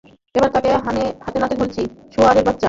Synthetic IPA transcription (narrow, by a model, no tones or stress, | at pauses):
ebaɾt̪akeɦaehat̪enat̪eɦolt͡ɕʰiʃoaɾebat̪ːɕa